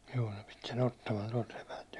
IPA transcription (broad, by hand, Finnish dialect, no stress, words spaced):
juː ne pit sen otːɑmɑn tuɒlt sepælt